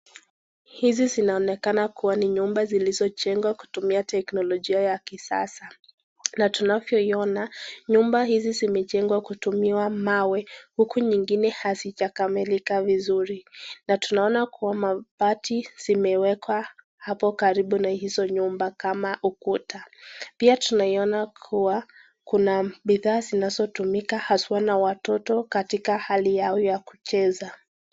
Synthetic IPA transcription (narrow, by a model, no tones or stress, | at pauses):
hizizinaɔnɛkanakuwaniɲumbazilizɔt͡ʃɛŋɡwaku̥tumiatɛknɔlɔʄiajakisa̰sa | natunavjɔiɔnaɲumbaɦizizimɛt͡ʃɛŋɡwakutumiwamawɛhukʰuɲiŋɡinɛhazit͡ʃakamilikavizuɾinatunaɔnakuwamapatʰiz̥imɛwɛkʰwa | hapɔkaɾiɓunahizɔɲumbakamaʔukutapiatunaiɔnakʰuwa | kunaɓiðaːzinazɔtumikahaswanawatɔtɔkatikahalijaɔjjaku̥t͡ʃɛza